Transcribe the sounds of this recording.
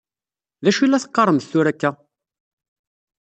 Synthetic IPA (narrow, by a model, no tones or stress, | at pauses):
ðæʃilːæθə̥qːɑɾˤːəmθθuɾækːæ